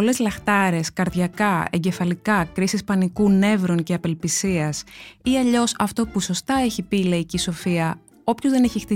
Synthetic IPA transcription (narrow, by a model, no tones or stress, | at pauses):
ole̞zlɐxt̪ɐɾe̞skɐɾðʝɐkɐe̞̰ɲɟe̞fɐlikɐkɾisispɐnikune̞vɾo̞nceɐpe̞lpisiɐsiɐʎo̞sɐft̪o̞puso̞st̪ɐe̞çipileiciso̞fiɐ | o̞pço̞zðe̞ne̞çixt̪i